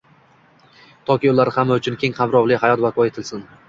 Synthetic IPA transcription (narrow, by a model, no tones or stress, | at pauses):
t̪ʰɒkʲɪʊlˠaɾɪhamːaʊt͡ʃʰʊnkʲʰe̞ŋhamɾɒvlˠɪhajɒt̪vakʰɒe̞t̪ʰɪlsɪn